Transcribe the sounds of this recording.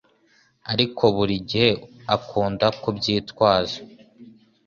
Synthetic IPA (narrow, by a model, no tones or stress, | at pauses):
aɾikʰo̞βuɾiɟihe̞akʰuːndakubɟiːtwaːʒḁ